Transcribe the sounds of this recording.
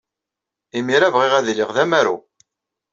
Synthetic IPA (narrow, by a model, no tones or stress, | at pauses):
imiɾævʁiʁæðliʁðæmæɾṵ